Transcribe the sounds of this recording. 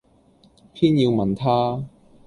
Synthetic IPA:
pʰiː˥njiː˧wmɐ˨nt̪ʰaː˥

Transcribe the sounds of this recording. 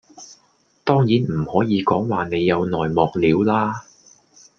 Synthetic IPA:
t̪ɔː˥ŋjiː˨˥nm̩˨˩hɔː˨˥jiː˨˧kɔː˨˥ŋwaː˨˧ne˨˧jːɐ˨˧wnɔː˨jmɔː˨k̚liː˨˧˥wlaː˥

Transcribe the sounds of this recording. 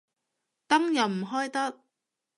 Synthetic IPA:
t̪ɐ˥ŋjɐ˨˩wm̩˨˩ɦɔː˥jt̪ɐ˥t̚

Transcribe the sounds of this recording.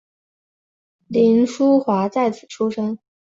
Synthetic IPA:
li˧˥nʂu˥xwa˧˥t͡sa˥˩ɪt͡sʰɹ̩˨˩ʈ͡ʂʰu˥ʂɤ˥ŋ

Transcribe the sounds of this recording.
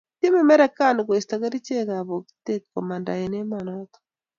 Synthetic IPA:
ti˦mɛ˦mɛ˦ɾɛ˦ka˦n˨ɡwe˨ista˨ɡa˦ɾi˦t͡ʃe˦ɡa˨βo˨kt̪e˦kkːɔ˨ma˨nda̰˨e˨ne˦manɔt̪ɔ̥

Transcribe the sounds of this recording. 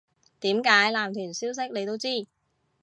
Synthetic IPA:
t̪iː˨˥mkaː˨˥jlaː˨mt̪ʰyː˨˩nsiː˥ws̬ɪ˥k̚ne˨˧jt̪o˥wt͡siː˥˩

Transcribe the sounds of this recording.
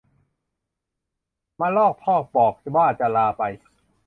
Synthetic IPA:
ma˧˥˨lɔː˥˩k̚pʰɔː˥˩k̚pɔː˨˩k̚baː˥˩t͡ɕa˨˧˩laː˧pa˧j

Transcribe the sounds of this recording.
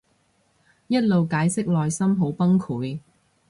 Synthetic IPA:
jɐ˥t̚lo˨wkaː˨˥jsɪ˥k̚lɔː˨jsɐ˥mɦo˨˥wpɐ˥ŋkʰuː˨˥j

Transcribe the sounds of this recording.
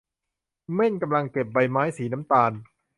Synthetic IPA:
me˥˩nka˧mla˧ŋke˨˩p̚ba˧jmaː˦˥jsiː˩˦na˦˥mt̪aː˧n

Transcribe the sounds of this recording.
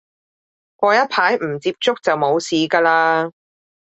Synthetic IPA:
kʷɔː˧jɐ˥t̚pʰaː˨˥jm̩˨˩t͡siː˧p̚t͡sʊ˥k̚t͡sɐ˨wmo˨˧wsiː˨˧kaː˧laː˧

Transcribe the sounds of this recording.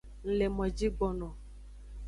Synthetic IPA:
ŋ̩˨le˨mɔ̃˨d͡ʒi˦ɡ͡bɔ˦nɔ̃˨

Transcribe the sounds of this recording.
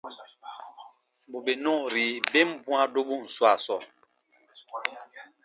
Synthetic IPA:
bo˨be˨nɔ̃˦˨ɾi˨be˦m̩˦bũ˦a˦do˦bu˦˨n̩˨swa˦˨sɔ˦˨

